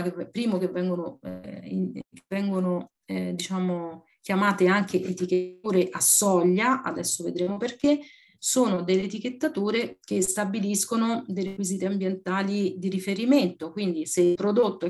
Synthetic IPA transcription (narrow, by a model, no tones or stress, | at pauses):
kevɛpːɾiːmokevːɛŋɡonoḭkevːɛŋɡono | d̪it͡ʃaːmo | k̟jamaːt̪eaŋkeʔet̪iket̪uːɾeʔasːɔʎːaa̰d̪ɛsːoved̪ɾeːmoperke | soːnod̪elːeːt̪ik̟et̪ːat̪uːɾek̟est̪abiliskonod̪ejɾekwiziːt̪eambjent̪aːlid̪iɾifeɾiment̪okwind̪iseipɾod̪ot̪ːo